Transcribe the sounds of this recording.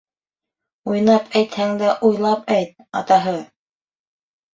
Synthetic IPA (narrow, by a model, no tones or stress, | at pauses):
ujnɑpʰæjt̪hæŋd̪æʔujlˠɑpæjt̪̚ɑt̪ɑɦɤ